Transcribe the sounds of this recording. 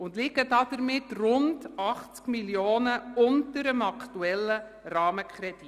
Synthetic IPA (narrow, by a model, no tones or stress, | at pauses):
ʊndlɪɡədɑːdəɾmɪtrʊndɑχt͡skmiljoːnəʊntəɾəmɑktuɛlːə | rɑːməkʰχɾɛd̥i